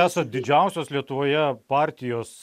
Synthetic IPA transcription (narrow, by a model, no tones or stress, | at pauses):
æːsɐd̪ʲɪd͡ʒʲɛˑʊsʲoːslʲiɛt̪ʊʋoːjɛpɑːɾʲt̪ʲɪjoːs